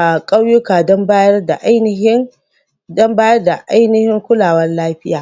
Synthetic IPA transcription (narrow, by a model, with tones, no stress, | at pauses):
a˨kʼɐ˦wjʊ˦kaː˨dɔ˦mbaː˦jɐ˦rda˨ʔa˦jn˦ɦɪ˦ŋ | dɔ˦mbaː˦jɐ˦rda˨ʔa˦jnɪ˦hɪ˦ŋkʷʊ˦laː˨wɐ˦nlaː˦ɸɪ˦jaː˨